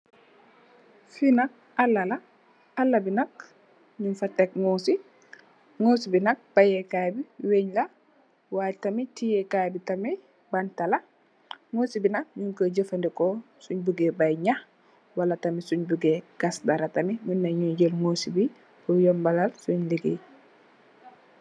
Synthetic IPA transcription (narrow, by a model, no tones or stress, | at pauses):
finɐk̚ | ɐlːɐlɐ | ɐlːɐbinɐk̚ | ɲunfatːɛk̚ŋosi | ŋoːsibinɐk̚b̥ajɛkaːbiweɲlɐ | waːtɐmitijɛkajbitɐmɛ | bantɐlɐ | ŋosibinɐk̚ɲuŋkəɟəfɐndikɔ | suɲbuɡebajɲax | walatɐmisuɲbuɡeɡ̥asdaɾɐtɐmiɲunːɐɲuɲɟəlŋoːsibi | bujɔmbalalsuɲliɡḛ